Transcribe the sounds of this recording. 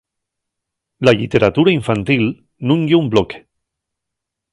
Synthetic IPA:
laʎit̪eɾat̪uɾaiɱfant̪il | nũŋɡeumbloke̥

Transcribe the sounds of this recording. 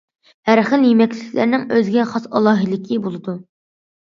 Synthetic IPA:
hæɾχəlˠjemɛkʲlɪkʲlæ̰ɾnɪŋøzɡʲɛχɑsɑlˠɑːɦɨlɪkʲʰibolˠɨd̪u

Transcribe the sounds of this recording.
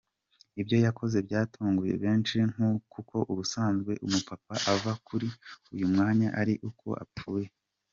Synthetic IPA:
ibɟo̞jakʰo̞ze̞bjaːtʰuːŋɡuje̞̰βe̞ːnt͡ʃiŋ̥ukuko̞ʔuɾusaːnzɡwe̞ʔṵmupapaʔavakʰuɾiujumŋaːɲaʔaɾiʔukʰo̞̰ʔa̰p͡fuːje̞

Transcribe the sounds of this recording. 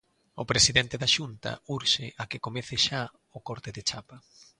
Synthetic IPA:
ʊpɾesiðɛnt̪eðaʃunt̪ɐ̰uɾʃeʔakɪkomeθɪʃa | ʊkoɾt̪ɪðɪt͡ʃapɐ

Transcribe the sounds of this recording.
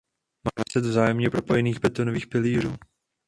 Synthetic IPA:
maːmɛsɛd̪vzaːjɛmɲɛpɾo̞po̞jɛniːxbɛt̪onoviːxpɪliːɾ̝uː

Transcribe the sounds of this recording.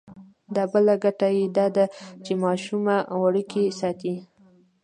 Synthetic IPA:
d̪abəlaɡaʈajed̪ɑd̪at͡ʃemɑʃumawaɽəkesɑt̪i

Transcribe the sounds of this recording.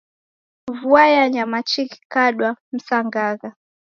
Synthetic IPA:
vuajaɲamat͡ʃiki̥kaɗwam̩saŋɡaɣa

